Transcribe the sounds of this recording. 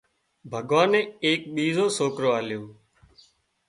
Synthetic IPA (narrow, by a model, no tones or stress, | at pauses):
bʱəɠʋaːnẽːeːk̚ɓiːzoːsoːkɾoːaːljoː